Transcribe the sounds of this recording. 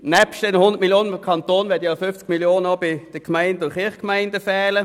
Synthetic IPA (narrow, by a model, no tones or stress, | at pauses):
nɛpʃtɛnhʊnd̪ətmiljoːnəkʰɑnt̪oːnʋɛɐdjɑfʏft͡skmiljoːnənobɪd̥əkmaɪndʊχɪɐχkmaɪndəfɛːlə